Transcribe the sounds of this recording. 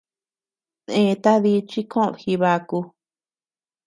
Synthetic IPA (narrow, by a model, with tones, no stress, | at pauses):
nẽ˧t̪a˦ði˧t͡ʃi˦kʰõ̰˦˧βhi˧βa˧ku˧